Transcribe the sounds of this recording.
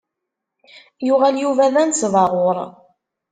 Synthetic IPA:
jʊʁæljuvæðænsvɑʁoɾˤ

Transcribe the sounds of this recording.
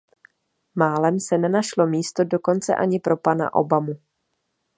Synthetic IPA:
maːlɛmsɛnɛnaʃlo̞miːst̪o̞do̞ko̞nt͡sɛ̰ʔaɲɪpɾo̞pana̰ʔo̞̰bamu

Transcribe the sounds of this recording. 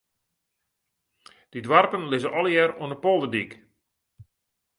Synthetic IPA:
d̥idwarpənlɪzəʔɔlˠjɛɾwənəpolˠdədik

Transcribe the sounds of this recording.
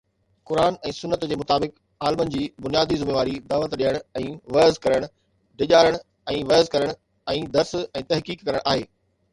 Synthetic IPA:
kʊɾaːnɛ̃ːsʊnːət̪d͡ʑeːmʊt̪aːbɪk | aːlmənɪ̆d͡ʑiːbʊnijaːd̪izʊmeːʋaːɾid̪aːʋət̪ɗiəɽ̃ɛ̃ːʋɐːzkɐɾəɽ̃ʊ | ɖɪʄaːɾəɽ̃ | ɛ̃ːʋɐəzkɐɾəɽ̃ | ɛ̃ːd̪ɐɾsɛ̃ːt̪ɐɦkiːkːɐɾəɽ̃ʔaːɦeː

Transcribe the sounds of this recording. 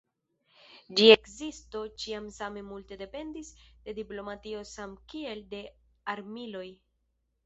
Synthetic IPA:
d͡ʒie̞kzisto̞t͡ʃiamsame̞multe̞de̞pe̞ndisd̥e̞diplo̞matio̞samkie̞lde̞ | aɾmilo̞j

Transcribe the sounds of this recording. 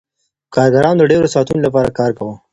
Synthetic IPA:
kɑɾɡaɾɑnod̪əɖeɾosɑt̪unolap̬ɑɾa̰kɑːɾkawə

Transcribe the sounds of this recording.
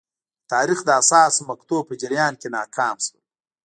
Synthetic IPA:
t̪ɑːɾixd̪əasɑːsmɐkt̪oːpəd͡ʒɪɾjɑːnkenɑːkʰɑːmswu

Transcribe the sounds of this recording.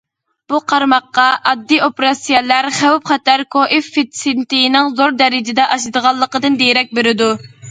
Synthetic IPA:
b̥uqʰɑɾmɑqːɑʔɑd̪ːiopɾɑsijɛlæɾχæwpχɑt̪ɛɾkʰoʔifːet̪sent̪ijnɪŋzoɾd̪ɛɾɪd͡ʒɪd̪ɛʔɑʃɨd̪əʁɑlˠːəqəd̪ɨnd̪ejɾɛk̚ʲbeɾɪd̪u

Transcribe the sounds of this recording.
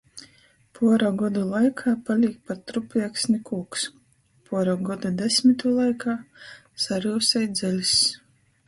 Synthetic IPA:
pʰuɔɾaɡɔd̪ulˠajkʰaːpalʲiːk̚paɾt̪ɾupʲiɛksnʲikuɔks | puɔɾɔɡɔd̪ud̪esʲmʲit̪uːlˠajkʰaː | saɾuːsɛjd̪zɛlʲis

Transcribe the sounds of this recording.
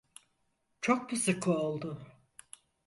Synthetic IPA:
t͡ʃʰok̚bɯsɯkʰuolˠd̪ʊ

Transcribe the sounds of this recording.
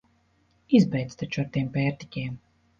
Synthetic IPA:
izbɛjt̪st̪at͡ʃuaɾt̪empʲɛːɾt̪ʲikʲɛːm

